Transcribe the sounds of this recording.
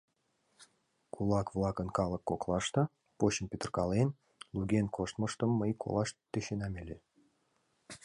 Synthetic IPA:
kʰulˠɑkvlˠɑkənkɑlˠəkːoklˠɑʃt̪ɑ | poɕənpʲet̪ə̆rkɑlen | luɡʲenkʰoʃt̪məʃt̪əmːəjkʰo̰lˠɑʃt̪ːeɕenɑmʲelʲe

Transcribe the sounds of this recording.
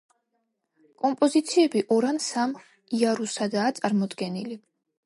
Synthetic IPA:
kʼɔmpʼɔzit̪sʰiɛbiʔɔɾansam | iaɾusad̪aːt̪sʼaɾmɔd̪ɡɛnili

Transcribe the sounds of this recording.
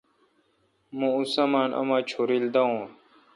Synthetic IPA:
mũːusamaːnʔɐ̰maːt͡ɕʰoːɾild̪aũː

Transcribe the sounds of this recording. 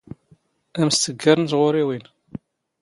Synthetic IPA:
æmst̪əɡːaɾənzʁʊɾiwin

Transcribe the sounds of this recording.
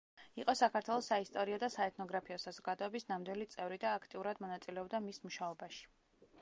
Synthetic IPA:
iqʼɔsakʰaɾt̪ʰwɛlˠɔsaist̪ʼɔɾiad̪asaɛt̪ʰnɔɡɾapʰiɔsazɔɡ̥ad̪ɔɛbisnamd̪wilit̪sʼɛvɾid̪aːkʰt̪ʼiuɾad̪mɔnat̪sʼilɛɔbd̪amismuʃaɔbaʃi̥

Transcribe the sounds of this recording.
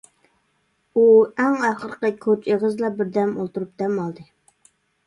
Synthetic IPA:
uæŋæχəɾqəkʲʰot͡ʃeʁəzlˠɑbɪɾd̪ɛmolˠt̪uɾup̚d̪̥ɛmɑlˠd̪ɨ

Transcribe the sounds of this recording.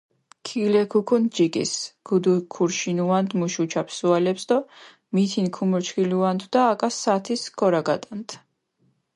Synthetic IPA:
kʰilɛkʰukʰund͡ʒikʼḭsɡ̥ud̪ukʰuɾʃinuand̪muʃut͡ʃʰapʰsualɛpsd̪ɔ | mit̪ʰinkʰumɔɾt͡ʃʰkʰiluand̪ʰwd̪aːkʼasːat̪ʰiskʰɔɾaɡat̪ʼant̪ʰ

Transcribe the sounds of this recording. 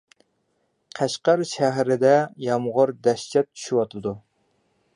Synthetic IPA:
qʰæʃqəɾʃæɦɾɪd̪ɛjɑmʁʊɾd̪ɛʃt͡ʃʰɛt̪̚ʰːy̥ʃywɑt̪ʰɨd̪u

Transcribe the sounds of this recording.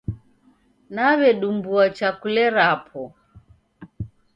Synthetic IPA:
naβɛɗumbuat͡ʃakulɛɾapʰɔ

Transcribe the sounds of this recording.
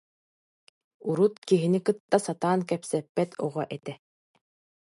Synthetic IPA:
uɾut̪kiɦinikɯt̪ːasat̪aːnkɛpsɛpːɛt̪ʰɔ̰ʁɔʔɛt̪ɛ

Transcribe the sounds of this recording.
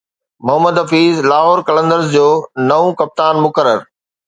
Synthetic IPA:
mʊɦəməd̪ɦɐfiːzlaːɦoːɾkɐlə̃nd̪əɾzd͡ʑoːnɐʋõkɐp̚t̪aːnmʊkəɾəɾ

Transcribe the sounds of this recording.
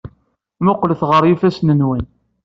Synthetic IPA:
mʊqːlθʁəɾˤjifæsnənwæn

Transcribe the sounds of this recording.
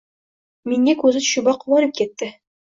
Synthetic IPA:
miŋːækʉzɘɕubɑq̆wɑɾɤp̚kit̪ːɘ

